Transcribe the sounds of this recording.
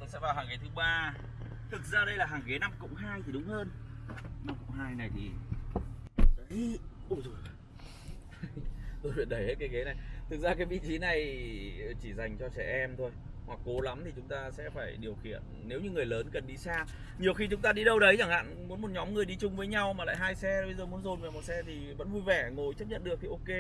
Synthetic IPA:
ɔ˨˦sɛ̰˧˥vaː˨˩wɦaː˨˩ŋe˨˦t̪ʰɨ˨˦ɓaː˧ | t̪ʰɨ˨˩k̚zaː˧ɗə˧jlaː˨˩ɦaː˨˩ŋɣe˨˦na˧mkʊ̰˧˥ŋ͡mɦaː˧jt̪ʰi˨˩ɗʊ˨˦ŋ͡mhəː˧n | na˧mkʊ̰˧˥ŋ͡mɦaː˧jna˨˩jt̪ʰi˨˩ | ə˨˦o˧˩zo˨˩j | t̪o˧jvi˨˧˩t̚ɗə˧˩jhe˦˥t̚kaː˨˦jɣe˨˦na˨˩jt̪ʰɨ˨˩k̚zaː˧kaː˨˦jvḭ˧˥t͡ɕi˨˦na˨˩j | t͡ɕi˧˩za˨˩jŋ̟t͡ɕɔ˧t͡ɕɛ˧˩ʔɛ˧mt̪ʰo˧j | hwa˨˩k̚ːo˨˦la˨˦mt̪ʰi˨˩t͡ɕʊ˨˦ŋ͡mt̪aː˧sɛ̰˧˥faː˧˩jɗi˨˩əwxḭ˧˨ənːe˨˦wɲɨ˧ŋɨ˨˩əjləː˨˦nkə˨˩nɗi˧saː˧ | ɲi˨˩əwxi˧t͡ɕʊ˨˦ŋ͡mt̪aː˧ɗi˧ɗə˧wɗə˨˦jt͡ɕa˧˩ŋha̰ː˧˨nmu˨˦nmo˨˩t̚ɲɔ˨˦mŋɨ˨˩əjɗi˧t͡ɕʊ˧ŋ͡mvəː˨˦jɲa˧wmaː˨˩l̰a̰ː˧˨jɦaː˧jsɛ˧˨˩ɓə˧jzəː˨˩mu˨˦ənzo˨˩nva˨˩mo˨˩t̚sɛ˧t̪ʰi˨˩və̰˧˥nvu˧jvɛ˧˩ŋo˨˩jt͡ɕə˦˥p̚ɲə̰˧˨nɗɨ˨˩ək̚ki˨˦ʔo˧ke˧

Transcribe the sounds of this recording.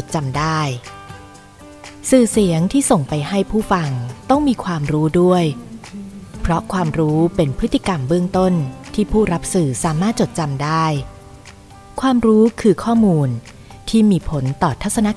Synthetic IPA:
o˨˩t̪̚t͡ɕa˧mdaː˥˩j | sɯː˨˩si˨˩˦əŋt̪ʰiː˥˩so˨˩ŋpa˧jɦa˥˩jpʰuː˥˩fa˧ŋt̪ɔ˥˩ŋmiː˧kʰwaː˧mɾuː˦˥du˥˩əj | pʰɾɔ˦˥kʰwaː˧mɾuː˦˥pe˧npʰɾɯ˦˥t̪ːi˧˩ka˧mbɯ˥˩əŋt̪o˥˩nt̪ʰiː˥˩pʰuː˥˩ɾa˦˥p̚sɯː˨˩saː˩˦maː˥˩t̪̚t͡ɕo˨˩t̪̚t͡ɕa˧mdaː˥˩j | kʰwaː˧mɾuː˦˥kʰɯː˧kʰɔː˥˩muː˧n | t̪ʰiː˥˩miː˧pʰo˩˦nt̪ɔː˨˩t̪ʰːa˦˥t̪̚sa˧na˦˥

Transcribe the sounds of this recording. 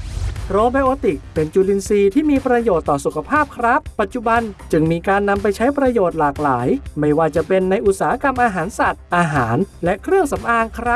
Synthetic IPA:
ɾoː˧ba˧jʔoː˧t̪i˨˩k̚pe˧nt͡ɕuː˧li˧nsiː˧t̪ʰiː˥˩miː˧pɾa˧joː˨˩t̪ːɔː˨˩su˨˩kʰa˧˥pʰaː˥˩p̚kʰɾa˦˥pːa˨˩t̪̚t͡ɕu˨˩ba˧nt͡ɕɯ˧ŋmiː˧kaː˧nːa˧mpa˧jt͡ɕʰa˦˥jpɾa˧joː˨˩t̪̚laː˨˩k̚laː˩˦jma˥˩jwaː˥˩t͡ɕa˨˩ʔpe˧nːa˧jʔu˨˩t̪̚saː˨˦a˦˧ka˧mʔaː˧ɦaː˩˦nsa˨˩t̪̚ʔaː˧ɦaː˩˦nlɛ˦˥kʰɾɯ˥˩əŋsa˩˦mʔaː˧ŋkʰɾa˦˥

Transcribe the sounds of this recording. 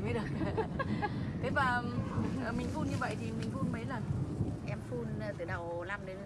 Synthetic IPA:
mə˨˦ɗɨ˨˩k̚ | t̪ʰe˨˦vaː˨˩ʔəː˨˩mï˨˩ŋ̟fu˧nɲɨ˧və̰˧˨jt̪ʰi˨˩mï˨˩ŋ̟fu˧nmə˨˦jlə˨˩nʔɛ˧mfu˧n˨˩t̪ɨ˧˩ɗə˨˩wla˧mɗe˨˦

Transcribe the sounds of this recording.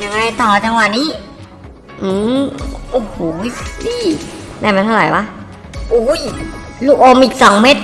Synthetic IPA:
ɲa˥˩ŋ˩a˥˩jt̪ɔː˨˩t͡ɕa˧ŋwa˨˩niː˦˥ | ʔɯː˧˩mʔoː˨˧˩hoː˨˩˦jliː˧˥˩naː˧˩ma˧nt̪ʰa˥˩ɾa˨˩jwa˦˥ | ʔuː˨˩˦jluː˧˩ʔoː˧mʔiː˨˩k̚sɔ˨˩˦ŋmeː˦˥t̪̚

